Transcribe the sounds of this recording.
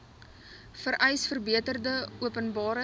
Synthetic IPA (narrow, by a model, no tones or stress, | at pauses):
fəɾʔɛjsfərbiətərdəuəpənbɑːɾə